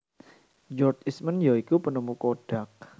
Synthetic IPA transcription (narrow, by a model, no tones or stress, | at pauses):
d͡ʒɔrt͡ʃismənjaikupənumukoɖ̥a̤k̚